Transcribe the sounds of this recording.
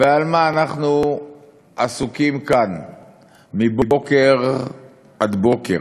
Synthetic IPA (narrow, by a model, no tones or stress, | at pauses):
vealmaːnaχnu | ʔasukimkan | mibobokeʁ | ʔad̪bo̞kḛʁ